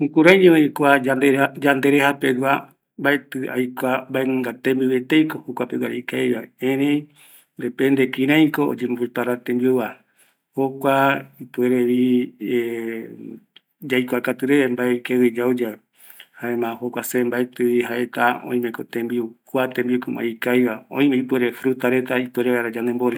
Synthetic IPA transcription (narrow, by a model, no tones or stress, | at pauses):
hukuɾajɲẽoikʷaad̪ed͡ʒand̪eɾehapeɡa | mbaet̪ɨa̰jkʷambaeɨ̃ŋɡat̪ẽmbiwet̪ejkohokʷapeɡwaɾekajβaẽɾẽj | nd̪epend̪ekĩɾ̃ãj̃koo̰d͡ʒemuepaɾat̪ẽmbioβa | hokʷaipueɾeβi | d͡ʒajkʷakat̪ɨɾeembaekewid͡ʒaud͡ʒa | haemãhokʷasembaet̪ɨβiɦaʔet̪aõ̰j̃mẽkot̪ẽmbiukʷat̪ẽmbiukuma̰ikajβaõ̰j̃mẽipueɾefɾut̪aɾe̞t̪aipeɾeβaɾad͡ʒanemboɾe